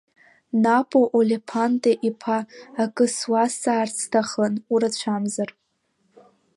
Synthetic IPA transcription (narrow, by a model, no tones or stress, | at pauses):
napʼoʔolʲepʰantʼeʔipʰaːkʼɨswasaːrt͡sʰtʰaχənuɾat͡ɕʷʰamzar